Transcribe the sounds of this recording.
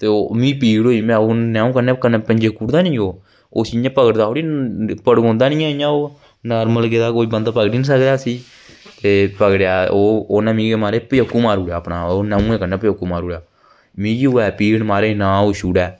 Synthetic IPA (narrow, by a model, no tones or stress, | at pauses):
t̪eːomĩːpiːɡɽoːimɛ̃ːoːnɛːũːkənẽːkəneːpəɲd͡ʒeːkuːɽd̪aːnĩːoː | o̰ːsijãːpəɡəʈd̪aːoːɽiːpəɽɡõːnd̪aːnĩːɛ̃ɪjãːoː | naːɾməlked̪aːkoːiːbənd̪aːpəɡʈiːnĩːsəkd̪aːsiː | t̪eːpəɡɽjaːoːoːnãːmĩːɡmaːɾeːpəjokːuːmaːɾuːɽjaːəpnaːoːnɛːũːẽːkənɛ̃ːpəjkːuːmaːɾuːɽjaː | mĩːɡioːɛːpiːɡɽmaːɾeːnãːoːʃuːɽɛː